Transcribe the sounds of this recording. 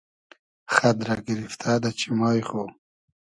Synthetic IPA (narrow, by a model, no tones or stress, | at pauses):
xad̪ɾaɡiɾift̪ʰad̪at͡ɕimɑːjχo